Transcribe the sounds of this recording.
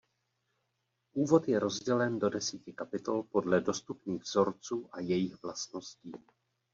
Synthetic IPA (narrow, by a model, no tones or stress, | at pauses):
ʔuːvo̞t̪jɛɾo̞zɟɛlɛndo̞dɛsiːcɪkapɪt̪o̞lpo̞dlɛdo̞st̪upniːɣvz̥o̞ɾt͡suːʔajɛjixvlast̪no̞sciː